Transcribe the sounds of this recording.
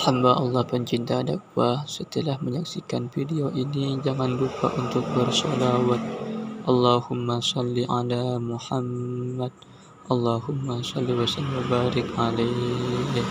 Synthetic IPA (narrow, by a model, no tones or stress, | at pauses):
hambaʔɑlːɑhpəɲt͡ʃint̪adak̚wasət̪əlahməɲaksikanfidioʔinid͡ʒaŋandupa̰ʔunt̪ʊk̚bərsɔlawat̪̚ʔɑlːahʊmːasɑlːiʔalamuħamːad̚ | ʔɑlːahʊmːasɑlːiwasalwabaɾɪkala